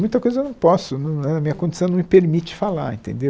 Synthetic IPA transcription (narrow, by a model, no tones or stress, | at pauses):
mũj̃t̪ɐkojzɐewnɐ̃w̃pɔsʊnɐ̃nɛ̃ɐmĩɲɐkõd͡ʒisɐ̃w̃nɐ̃mɪpeɾmit͡ʃɪ̥falaḛ̃nt̪ḛ̃nd̪e